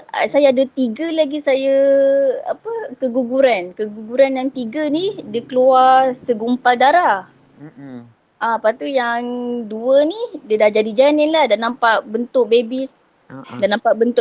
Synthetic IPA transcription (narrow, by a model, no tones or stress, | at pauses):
a̰sajaadət̪iɡəlaɡisajə | a̰pəkəɡuɡuɾankəɡuɡuɾanjaŋt̪iɡənidəkəluasəɡumpaldaɾa | ʔapat̪ujaŋduənidədahd͡ʒadid͡ʒaninlahdanampaʔbənt̪ʊʔ̚bebis | danãmpaʔbənt̪ʊ